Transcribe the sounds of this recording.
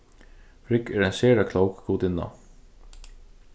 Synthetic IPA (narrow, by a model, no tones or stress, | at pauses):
fɾɪkɛɾansɛːɹakʰlowkkuːt̪ɪnːa̰